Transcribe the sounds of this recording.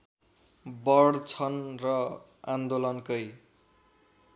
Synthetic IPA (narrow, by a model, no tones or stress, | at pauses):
bʌɽt͡sʰʌnrʌ | and̪olʌnkʌj